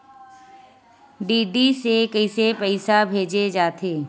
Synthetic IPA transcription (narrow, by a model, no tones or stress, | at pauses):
ɖiːɖisekəɪsepɛɪsabʱeːd͡ʒed͡ʒaːt̪ʰeː